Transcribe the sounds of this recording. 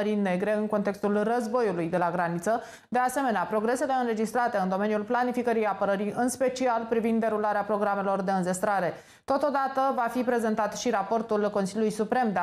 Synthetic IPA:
əɾine̞ɡɾe̞ɨnko̞nt̪e̞kst̪ulrəzbo̞julujd̪e̞laɡɾanit̪sə | d̪e̞ase̞me̞neapɾo̞ɡɾe̞se̞le̞ɨnɾe̞d͡ʒist̪ɾat̪e̞ɨnd̪o̞me̞njulplanifikəɾijapəɾəɾiɨnspe̞t͡ʃialpɾivind̪ːe̞ɾulaɾeapɾo̞ɡɾame̞lo̞rd̪e̞ɨnze̞st̪ɾaɾe̞ | t̪o̞t̪o̞d̪at̪əvafipɾe̞ze̞nt̪at̪ʃiɾapo̞rt̪ulko̞nsiljulujsupɾe̞md̪e

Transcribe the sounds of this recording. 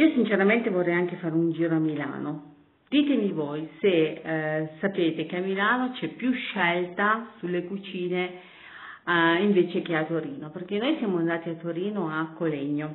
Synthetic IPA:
iːosint͡ʃeɾament̪evorːɛjaŋk̟efaːɾeund͡ʒiːɾoamila̰ːno | d̪̥iːt̪emivojse | sapeːt̪ekeamilaːnot͡ʃɛpːjuʃɛlt̪asulːekut͡ʃiːne | iɱveːt͡ʃek̟eat̪oɾiːnoperk̟enːojsjaːmoand̪aːt̪iat̪ːoɾiːnoakːoleɲːo

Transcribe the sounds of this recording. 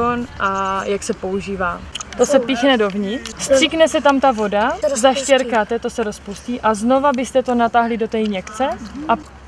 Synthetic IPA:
onʔajaksɛpo̞uʒiːvaːt̪o̞sɛpiːxnɛdo̞vɲɪst̪r̥iknɛsɛt̪amt̪avo̞dazaʃcɛɾkaːt̪ɛt̪o̞sɛɾo̞spusciːʔazno̞vabɪst̪ɛt̪o̞nat̪aɦlɪdo̞t̪ɛːjɲɛkt͡sɛʔa

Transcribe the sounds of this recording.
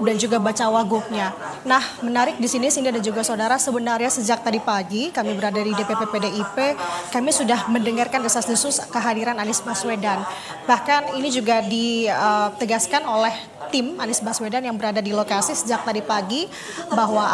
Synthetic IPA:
dand͡ʒuɡabat͡ʃawaɡʊk̚ɲanahmənaɾɪk̚disinisindadand͡ʒuɡasaudaɾasəbənarɲasəd͡ʒak̚t̪adipaɡikamibəɾadadidepepepedeipekamisudahməndəŋarkanrəsaslusʊskəɦadiɾananɪsbaswedan | bahkaninid͡ʒuɡadiət̪əɡaskanolɛh | t̪ɪmanɪsbaswedanjaŋbəɾadadilokasisəd͡ʒak̚t̪adipaɡi | baɦwa

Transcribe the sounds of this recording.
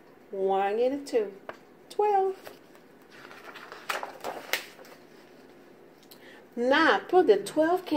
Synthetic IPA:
wʌ̃nɪ̃nɨtʰu | tʰwɛlˠv̥ | napʰʊt̪̚ðɨtʰwɛlˠv̥kʰ

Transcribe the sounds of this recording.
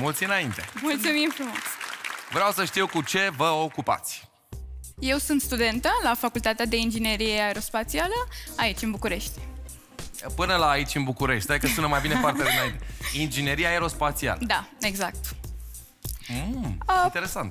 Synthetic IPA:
mult̪sʲɨnaint̪e̞mult̪sumimfɾumo̞svɾeawsəʃt̪iwkut͡ʃe̞vəokupa̰t̪sʲ | je̞wsunt̪st̪ud̪e̞nt̪əlafakult̪at̪ead̪e̞ind͡ʒine̞ɾijeaeɾo̞spat̪sialəait͡ʃʲɨnbukuɾe̞ʃt̪ʲ | pɨnəlaːit͡ʃʲɨnbukuɾeʃt̪̚ad̪ikəsunəmajbinepart̪ead̪inaint̪eind͡ʒine̞ɾiaeɾo̞spat̪sia̰ləd̪ae̞ɡzak̚t̪ | it̪eɾe̞sant̪

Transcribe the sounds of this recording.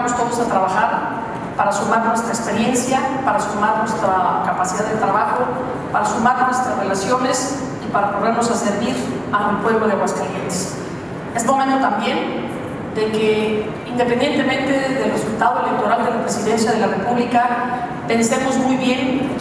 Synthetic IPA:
most̪oðosat̪ɾaβaxaɾ | paɾasumaɾnwe̞st̪ɾaekspe̞ɾje̞nsjapaɾasumaɾnwe̞st̪ɾakapasiðaðet̪ɾaβaxo | paɾasumaɾnwe̞st̪ɾazre̞lasjo̞ne̞s | ipaɾapoɾðeɾno̞saseɾβiɾ | anelpwe̞βloðeaɣwaskaljent̪e̥s | esmo̞mẽnt̪ot̪ambje̞n | d̪e̞ke | ind̪e̞pe̞nd̪je̞nt̪e̞mẽnt̪e̞ðe̞lresult̪aðoe̞lek̚t̪o̞ɾald̪elapɾe̞siðe̞nsjað̞e̞lare̞puβlika | pe̞nse̞mo̞zmujβje̞ŋ

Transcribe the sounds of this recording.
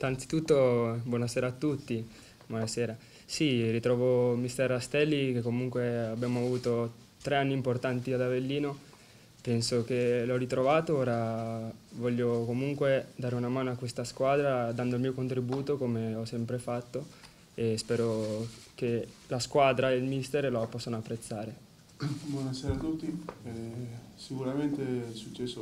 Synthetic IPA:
ant̪si̥t̪ut̪ːobwɔːnasɛːɾaːt̪ːut̪ːi | bwɔnasɛːɾa | sirit̪ɾɔːvomist̪ɛɾast̪ɛlːikekːomuŋkweabːjaːmoavuːt̪o | t̪ɾeanːiːmport̪ant̪iad̪avelːiːno | pɛnsok̟elɔrit̪ɾʔovaːt̪ooːɾa | vɔʎːokomuŋkwed̪aːɾeunamaːnoakːwest̪askwaːd̪ɾad̪and̪olmiːokont̪ɾibuːt̪okomeɔsːɛmpɾefat̪ːo | espɛːɾokelaskwaːd̪ɾaelmist̪eɾloapɔsːanoapːɾet̪sːaːɾe | bwɔnaseːɾaːt̪ːut̪ːiɛsikuɾament̪esut͡ʃːɛsːo

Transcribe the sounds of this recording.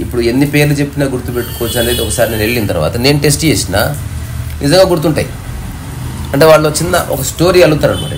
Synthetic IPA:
ipːuɽue̞nːipe̞ːɾlut͡ʃe̞pːinaːɡuɾt̪upe̞ʈːu̥kɔːʋɐt͡ʃːuɐne̞ːd̪iɔkɐsaːɾinineɭːint̪ɐɾʋa̰ːt̪ɐne̞ːnuʈe̞sʈt͡ʃe̞ːsina̰ː | nizɐŋɡaːɡuɾut̪uɳʈa̰ːji | ɐɳʈe̞ːʋaːɭːo̞t͡ʃːinːɐʔɔkɐsʈo̞ːɾiːɐlut̪ːaːɾɐnmɐ̰ɽɐ̰

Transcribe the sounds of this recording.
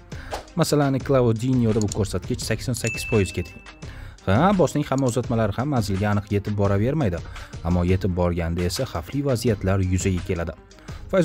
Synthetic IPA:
masalanːɪklˠaod̪injod̪abʊkʰɵɾsat̪̚kʲɪt͡ʃsakʲsonsakʲʰːɪz̥pʰɒjɪz̥kʲʰe̞t̪ʰɪ̥ŋ | habɒsnɪŋhamːaozat̪malaɾɪhamːanzɪlɡʲaːnɨqje̞t̪ʰɪp̚bɒɾave̞ɾmajd̪ɪamːɒje̞t̪ʰɪp̚bɒɾɡʲand̪ae̞saχaflivazijat̪ʰlaɾjʊzaɡʲakʲʰe̞lad̪ɪ | fajz

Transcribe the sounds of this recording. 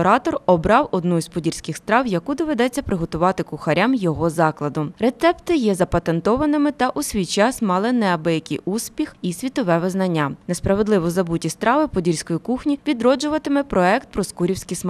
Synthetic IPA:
ɔɾɑt̪ɔrɔbɾɑwɔd̪nuzpɔdʲirʲsʲkɪxst̪ɾɑwjɐkud̪ɔʋed̪ɛt͡sʲːɐpɾɪɦɔt̪ʊʋɑt̪ɪkʊxɐɾʲʔamjɔɦɔzɑklˠɐd̪ʊɾet̪sɛpt̪ɪjɛzɐpɐt̪ent̪ɔʋɐnɪmɪt̪ɐʔusʲʋʲijt͡ʃɑsmɑlˠɪnɛɐbɛjɐkʲɪjuspʲixisʲʋʲit̪ɔʋɛʋɪznɐnʲːanespɾɐʋe̞d̪lˠɪʋɔzɐbutʲist̪ɾɑʋɪpɔdʲirʲsʲkɔjikuxnʲiʋʲid̪ɾɔd͡ʒʊʋɐt̪ɪmɪpɾɔɛkt̪̚pɾɔskuɾʲiwsʲkʲism

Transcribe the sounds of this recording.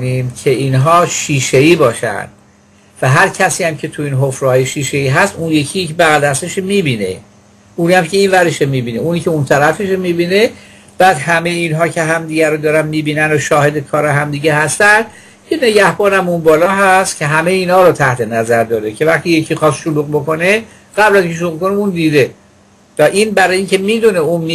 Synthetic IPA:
nimcʰe̞iːnɦɒːʃiːʃeiːbɒːʃæ̰nd̪̥ | væɦæɾcʰæsiːæmcʰe̞t̪ʰuiːnɦofɾɒːjeʃiːʃeiːɦæst̪unje̞cʰijcʰebæɣæld̪æst̪eʃemiːbiːne̞̰ | uːnæmcʰe̞iːnvæɾeʃemibiːneuːniːcʰeunt̪ʰæɾæfeʃemiːbiːne̞ | b̥æːd̪hæme̞jeiːnɦɒːcʰe̞ɦæmd̪iɟæɾod̪ɒːɾænmiːbiːnænd̪oʃɒːhe̞d̪ekʰɒːɾeɦæmd̪iːɟeɦæst̪ænd̪̥ | kʰene̞ɟæhbɒːnæmunbɒːlɒːɦæst̪cʰeɦæmejiːnhɒːɾot̪ʰæht̪ʰe̞næzæɾd̪ɒːd̪ecʰe̞væχt̪ijecʰiːxɒːst̪ʃoluːɣbo̞ko̞ne | ɡ̥æblæziŋkʰʲeʃ̬ouɣbkʰo̞neuːnd̪iːd̪e | væʔiːnbæɾɒːjiːŋcʰe̞miːd̪uneunmi

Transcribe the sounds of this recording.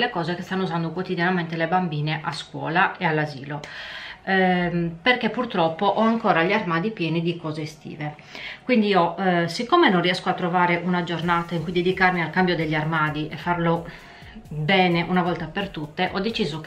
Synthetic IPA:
lːekɔːzekest̪anːouzand̪okwot̪id̪janament̪elebambiːneʔaskwɔ̰ːlaʔealːazḭːlo | perkepːurt̪ɾɔpːoʔɔaŋkɔːɾaʎiarmaːd̪ipjɛːnid̪ikɔːzest̪ḭːve | kwind̪iosikːomenonrːiɛskoat̪ːɾovaːɾeʔunad͡ʒornaːt̪aiŋkujd̪ed̪ikarmialkambjod̪eʎːiarmaːd̪iʔefːarlo | bɛːneʔunavɔlt̪apert̪ut̪ːeʔɔd̪ːet͡ʃiːzok

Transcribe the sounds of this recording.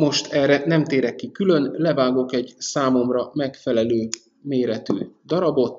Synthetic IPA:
mo̞ʃt̪ɛrɛnɛmt̪eːɾɛkːikylø̞nlɛvaːɡo̞kɛɟsaːmo̞mrɒmɛkfɛlɛløː | meːɾɛt̪y̰ːd̪ɒɾɒbo̞t̪

